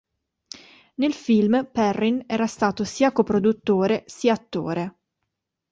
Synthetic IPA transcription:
nelfilmpɛrːinɛːɾast̪aːt̪osiːakopɾod̪ut̪ːoːɾesiːaːt̪ːo̰ːɾe

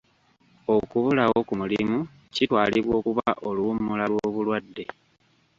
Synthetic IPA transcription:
o̞kuβulawokumulḭmu | citwaːliβwo̞ːkuβaʔo̞lumːulalwoβulwadːe̞

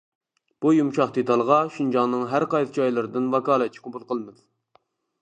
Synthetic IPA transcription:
b̥ujumʃɑχd̪et̪ʰɑlˠʁɑʃind͡ʒɑŋnːɨŋɦæɾqɑjsd͡ʒɑjlˠɨɾɨd̪ɨnvɑkɑːlˠɛt̪̚t͡ʃʰi̥qʰobulˠqʰəlˠmɨd̪

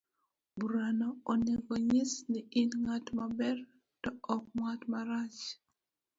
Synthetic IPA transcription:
buɾanooneɡoɲɪsnɪʔɪnŋatmabɛr | tɔɔk̚mwatmaɾat͡ʃ

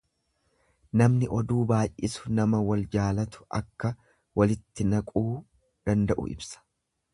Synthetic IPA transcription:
nɐmnɪʔɔd̪uːbaːjʔɪsʊ̥nɐmɐwɐld͡ʒaːlɐt̪ʊ̥ɐ̰kːɐ | wɐlɪt̪ːɪnɐkʼuː | d̪̥ɐnd̪ɐʔʊ̰ɪ̰bsɐ̥

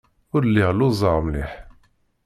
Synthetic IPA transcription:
ʊɾlːiʁluzˤɑʁmliħ

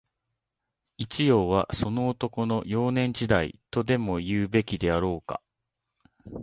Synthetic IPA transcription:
it͡ɕijo̞ːβaso̞no̞ːt̪o̞ko̞no̞jo̞ːnẽ̞ɲ̟d͡ʑid̪aḭt̪o̞d̪e̞mo̞jɯːbe̞kʲid̪e̞aɾo̞ːka̰

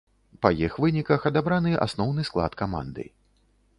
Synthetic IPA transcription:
pɐjixvɨnʲikɐxɐd̪abɾanɨʔa̰snɔwnɨsklˠa̰t̪kama̰nd̪ɨ̰

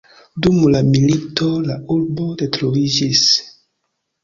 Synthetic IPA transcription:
dumlamilito̞lauɾbo̞detɾovid͡ʒis

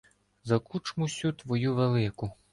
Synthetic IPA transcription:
zɐkut͡ʃmʊsʲut̪ʋɔjuʋelˠɪkʊ

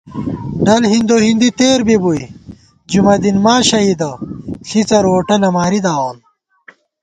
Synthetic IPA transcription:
ɖɐlɦind̪oɦind̪it̪eːɾbibuj | d͡ʑumɐd̪inmaːɕɐɦid̪ɐɬit͡sɐɾoːʈɐlɐmaːɾid̪aːwoːn

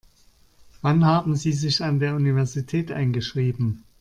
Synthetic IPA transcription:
v̥anɦaːbm̩ziːzɪçandeːɐʔunivɛɐzitʰɛːtʔa̰ɪnɡəʃʁ̥iːbm̩

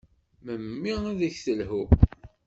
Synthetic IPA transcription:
məmːiæðəçθəlhu

